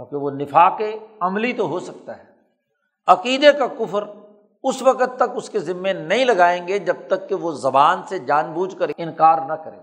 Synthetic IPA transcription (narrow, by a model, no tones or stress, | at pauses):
jõːkeʋonɪfaːqeɐmlit̪oɦosɐk̚t̪aɦɛː | ɐqiːd̪ekakʊfəɾ | ʊsʋɐkət̪ːɐkʊskezɪmːenɐɦĩlɐɡaːẽːŋɡed͡ʒɐb̚t̪ɐkːeʋozɐbaːnsed͡ʒaːnbuːd͡ʒkəɾɪ̃nkaːɾnɐkɐɾḛ̃ː